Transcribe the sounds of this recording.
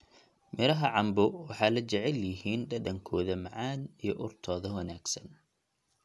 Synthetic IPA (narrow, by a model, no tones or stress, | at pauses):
mɪɾɐɦɐʕɑmbʊwɑħɑːlɐt͡ʃɐʕɛljɪɦiːnɖɐɖɐŋkʰɔːðɐmɐʕaːnijɔʔʊrt̪ʰɔːðɐwɐnaːɡ̥sɐn